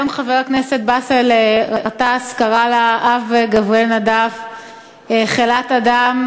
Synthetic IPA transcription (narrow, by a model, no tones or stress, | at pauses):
omχaveʁakneset̪̚baseleʁaʁat̪askaʁalaʔavɡavelnadav | eχelatad̪am